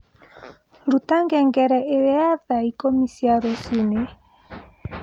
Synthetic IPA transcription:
ɾutaŋɡɛŋɡɛɾɛʔeɾeaðaikomisiaɾosune

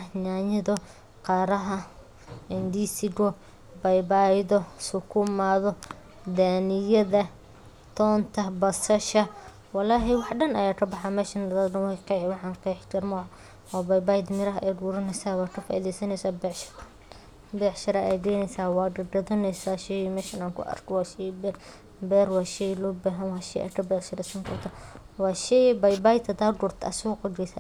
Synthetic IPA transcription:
ɲaːɲɪðɔ | qɑːɾɐɦɐ | ɛnd̪isɪɡɔ | bɐjbaːjðɔsʊkʰʊmaːðɔ | d̪aːnɪjɐðɐ | t̪ʰɔːnt̪ʰɐbɐsɐʃɐ | wɑlaːɦɛwɑħɖɐnɐ̰jaːkʰɐbɑħamɛːʃɐnɐðaːd̪dɐnwɑqɛʕwɑħɑːnqɛjħkʰɐɾmɔ | wɑːbɐjbajd̪mɪɾɐɦɐʔɛːɡuːɾɐnɛsaːwaːkʰɐfa̰ːʔḭðɛjsɐnɛjsaːbɛːʕʃɐ̥ɾ | bɛʕʃɐɾɐʔɛjɡɛːnɛsaːwɑːɡɐɖɐðɐnɛjsaːʃɛjmɛːʃɐnaːŋkʰʊ̰ʔɐ̰rkʰwɑːʃɛjbɛr | bɛːɾwɑːʃɛjlɔːbaːɦɐnwɑːʃɛjʔɛ̰kʰɐbɛʃɐɾɛsɐŋkʰɐrt̪ʰɐ | wɑːʃɛjbɐjbaːjt̪ʰɐd̪aːɡʊɾt̪ʰɐɐsɪɣɔqɐɡɛjsa̰ː

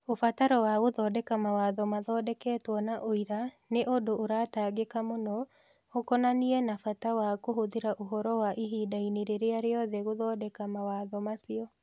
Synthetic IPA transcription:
ofataɾɔwaɣoðɔːdɛkamawaːðɔmaðɔːdɛkɛːtwɔnaʔoiɾa | neʔodoʔoɾataɡekamonɔ | okɔnaniɛnafatawakoɦoðiɾaʔoɦɔɾɔwaʔiɦiːdaineɾeɾeaɾeɔðɛɣoðɔdɛkamawaðɔmasiɔ

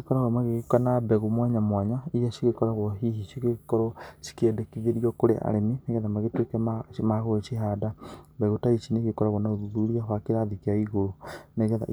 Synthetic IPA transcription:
ekɔɾaɣɔmaɣeɣkanabɛɣomwaɲamwaɲaijasiɣekɔɾaɣɔɦiɦiʃiɣekɔɾɔʃi̥kɛdekiɣeɾiɔkoɾḛʔa̰ɾemineɣɛðamaɣetwekɛmamaɣoeʃiɦadabɛɣotaiʃineɣekɔɾaɣɔnaoðuðuɾiaɦwakeɾaðikeaiɣoɾoneɣɛða̰

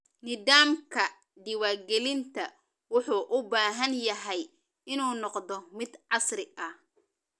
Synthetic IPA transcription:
nɪðaːmkʰɐ | ɖɪwaːrɡɛlɪnt̪ʰɐ | wʊħuːʔʊbaːɦɐnjɐɦɛj | ɪnuːnɔqd̪ɔmɪd̪ʕɑsrɪʔɐh

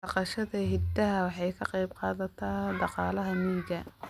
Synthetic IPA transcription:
ɑqɑʃɐðɐɦɪd̪ɐɦɐwɑħɑjkʰɐqɑjbqɑːðɐt̪ʰɐɖɑqɑːlɐɦɐniːɡɐ

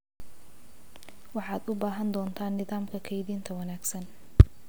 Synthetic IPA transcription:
wɑħɑːd̪ʊbaːɦɐnd̪ɔːnt̪ʰaːnːɪðaːmkʰɐkʰɐjðiːnt̪ʰɐwɐnaːɡsɐn

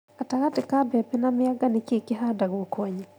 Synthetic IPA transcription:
ataɣatɪkabɛpɛnamɪaɡanɪkikɪɦadaɡokwaɲɛ

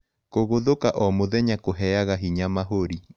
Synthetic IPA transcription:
koɣoðokaʔɔmoðɛɲakoɦɛaɣaɦiɲamaɦoɾi

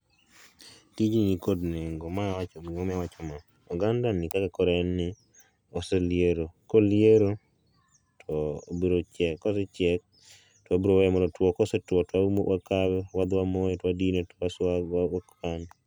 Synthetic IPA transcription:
tid͡ʒiɲikodneŋɡomaawat͡ʃomiomawat͡ʃɔma | ɔɡandanɪkakakɔɾɛnːɪ | oselɪeɾokoljeɾo | tʰɔobiɾot͡ʃɛkːɔset͡ʃɛk̚ | twabiɾowɛɛmɔɾɔtwɔkɔsetwɔtwawakawɛwad̪wamojetwadinetasawaokan

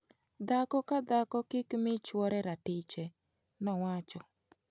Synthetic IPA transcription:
d̪akɔkad̪akɔkɪkmɪt͡ʃwɔɾɛɾatɪt͡ʃɛ | nɔwat͡ʃɔ

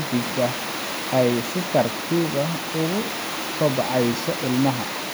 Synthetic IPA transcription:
d̪ɪɡɐ | ɛjsɪt̪ʰɐrt̪ʰiːðɐ | ʊɣʊ | kʰɔbɑʕɛjsɔʔɪlmɐɦɐ

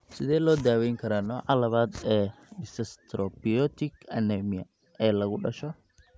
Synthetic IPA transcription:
sɪðɛːlɔːd̪aːwɛjŋkʰɐɾanɔːʕalɐβaːd̪ɛː | ɖɪsɐst̪ʰɾɔbijɔt̪ʰɪkʰɐnɛmɪjɐ̰ | ɛːlɐɣʊɖɐʃɔ

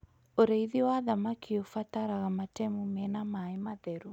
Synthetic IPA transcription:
oɾeiðiwaðamakʰiofataɾaɣamatɛmumɛnamaemaðɛɾu

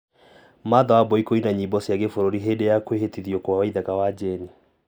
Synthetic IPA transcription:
maðawabɔikoinaɲibɔsjaɡefoɾoɾiɦedejakweɦetiðjokowawaiðakawad͡ʒɛni

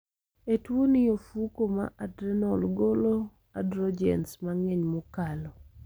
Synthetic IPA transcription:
etwonɪjofukoma̰ʔadɾɛnɔlɡolo | adɾɔd͡ʒɛ̰nsmaŋɛɲmɔkalɔ

